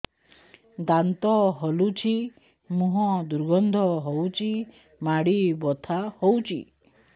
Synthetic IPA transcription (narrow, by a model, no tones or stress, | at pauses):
d̪ant̪ɔɦɔlut͡ʃʰi | muɦɔ̃d̪uɾɡɔnd̪ʱɔɦowt͡ʃʰi | maɽibɔt̪ʰahowt͡ʃʰḭ